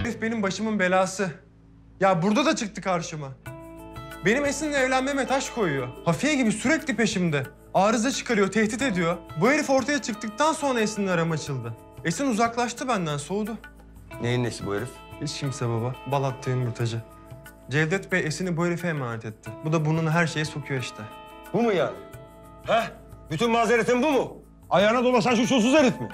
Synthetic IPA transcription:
eɾifbe̞nimbaʃɯmɯnbe̞lʲaːsɯ | jaːbuɾd̪ad̪at͡ʃʰɯk̚t̪ʰɯkʰaɾʃɯma | be̞nime̞sininɛvlʲænmemet̪ʰaʃkʰo̞jujo̞hafijaɟibisyɾɛclʲipe̞ʃimd̪ɛ | aːɾɯzat͡ʃʰɯ̥kʰaɾɯjo̞t̪ʰɛht̪it̪e̞d̪ijo̞bueɾifo̞ɾt̪ʰajat͡ʃʰɯk̚t̪ɯk̚t̪ʰanso̞nɾaesininaɾamɯat͡ʃʰɯlˠd̪ɯ | esiniuzaklˠaʃt̪ʰɯbænd̪ænsoːd̪ʊ | nejinesibueɾif | hit͡ʃʃʰimd̪sɛbaβabalˠat̪ʰːɯjɯnmuɾt̪ʰad͡ʒɯ | d͡ʒɛld̪ɛt̪bɛesiniboeɾifɛjmaːnɛt̪ʰɛt̪ʰːɪbud̪abununɦæɾʃe̞jɛsokʰujoiʃt̪ʰɪ | bumujaːnɪ | hɛ | byt̪ʰynmazeɾet̪ʰimbumʊ | ajaːnad̪olˠas̬anʃ̬uʃus̬uzeɾit̪mɪ̰

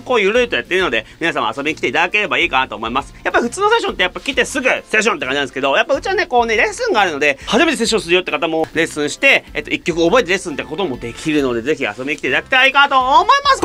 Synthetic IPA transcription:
koːjɯ̟ɾɯit̪o̞jat̪ːeɾɯno̞d̪e̞̰mʲinasãa̰so̞bʲiɲikʲi̥t̪eit̪ad̪ake̞ɾe̞baiːkanat̪o̞ːmo̞imasɨ̥japːaihɸɯ̟t͡sɨːno̞se̞ɕ̬ont̪ːejapːakʲit̪e̞sɨɡɯ̟seɕ̬ːont̪ekaɲd͡ʑinãd̪sɨ̥ked̪o̞japːaɯ̟t͡ɕiβane̞ko̞ːneɾe̞sɨ̃ŋɡaːɾɯ̟no̞d̪e̞haʑime̞t̪es̬eɕ̬ːõsɨɾɯjot̪ːekat̪amo̞ɾe̞sɨ̃ɰ̃ɕi̥t̪e̞et̪ːoikʲːo̞kɯ̟obo̞e̞t̪e̞ɾesɨnt̪kːko̞t̪o̞mo̞d̪e̞kʲʰiɾɯ̟no̞d̪e̞ze̞çia̰sobiɲ̟ikʲi̥t̪et̪ad̪ake̥t̪aaiːkanat̪o̞mo̞imasɨ̥

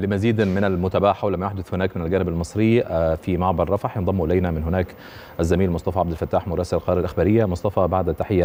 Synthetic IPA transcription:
lɪmaziːd̪mɪnalmʊt̪abaːħawlamajʊħd̪ʊθhʊnaːkmɪnɪlɡaːnɪbalmɨsˤɾɪfimaʕbɑɾˤːɑfɑħjɪnðˤɑmːuʔɪlajnamɪnɦʊnaːk | ʔazːamiːlmʊsˤt̪ˤɑfɑʕabd̪ɪlfat̪ːaːħmʊɾˤɑːsɪlalqɑɾɑːɾalʔaxbaːɾɪjːamʊsˤt̪ˤɑfɑbaʕd̪at̪ːaħɪjːa

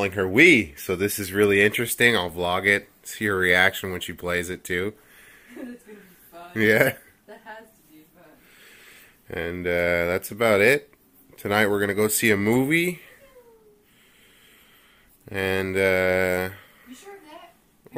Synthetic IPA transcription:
ɪ̃ŋə˞wisoʊðɪsɨzɹɪlˠiɪ̃nt͡ʃɹ̥ɨstɪ̃ŋaɪlˠblɔɡɪt̚siə˞ɹiækʃɨ̃nwɨ̃nʃipʰl̥eɪzɨtʰʉ | jæ | ʔɨ̃nʌðætsəbaʊɾɪt̚ | tʰɨnaɪt̚wɨɹɡʌnɨɡoʊɾsiɨmuvi | ʔɨ̃nʌ

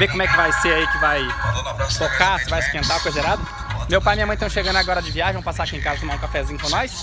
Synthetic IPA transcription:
vekomɛkɪvajseaikɪvaj | t̪okasɪvajsɪ̥t̪ẽnt̪akojzeɾad̪ɐ | mewpajmĩɲaɐɐ̃j̃t̪ɐ̃w̃ʃeɡɐ̃nd̪ʊaɡɔɾɐd͡ʒɪviaʒẽvõpasaɾakiẽŋkazɐt̪omaũkafɛzĩɲʊkõnɔjs

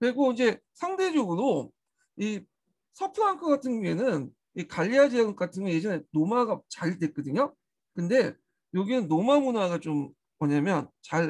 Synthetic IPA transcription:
kɯɾiɡoid͡ʑe̞ | sʰaŋde̞d͡ʑoɡɯɾo | i | sʰapʰɯɾaŋkʰɯɡatʰɯnjue̞nɯn | ikaʎːiad͡ʑik͈atʰɯnɡje̞d͡ʑʌne̞nomaɡat͡ɕaɭdwe̞k͈ɯdɯɲo | kɯnde̞ | joɡinɯnːomamunaɡat͡ɕom | mwʌɲamjʌnt͡ɕaɭ

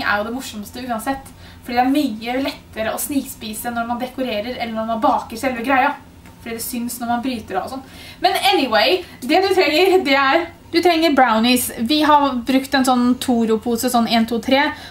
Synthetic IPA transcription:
æ̰ɾjʊd̪ɛmʊʂɔmst̪əʉːɑnsɛt̪ː | fɔɖiːd̪ɛæɾmyːəlɛt̪ːəɾəɔsniːkspiːsənɔɾmɑnd̪ɛkʊɾeːɾəɾɛlːəɾɳɑmɑbɑːkəɾsɛlʋəɡɾæɪɑ | fɔɖiːd̪ɛsʏnsnɔɾmɑnbɾyːt̪əɾɑɔsɔnː | mɛnɛnɪweɪd̪ɛd̪ʉt̪ʰɾɛŋːəɾd̪ɛæɾ | d̪ʉt̪ʰɾɛŋːəɾbɾaʊnɪsʋɪɦɑɾbɾʉkt̪ɛnsɔnːt̪ʰuːɾʊpʰuːsəsɔnːeːnt̪ʰuːt̪ʰɾeː

